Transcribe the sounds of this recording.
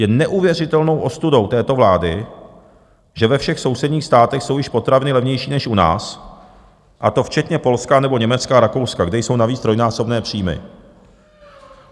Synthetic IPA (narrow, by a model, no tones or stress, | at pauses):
jɛnɛʔuvjɛrɪt̪ɛlno̞wʔo̞st̪udo̞wt̪ɛːt̪o̞vlaːdɪ | ʒɛvɛfʃɛxso̞wsɛdɲiːxst̪aːt̪ɛxso̞wjɪʃpo̞t̪ɾavɪnɪlɛvɲɛjʃiːnɛʃʔuna̰ːs | ʔat̪o̞ft͡ʃɛt̪ɲɛpo̞lskanɛbo̞ɲɛmɛt͡skaːɾako̞wskaɡdɛjso̞wnaviːt͡sd̪ɾo̞jnaːso̞bnɛːpr̝̥iːmɪ̰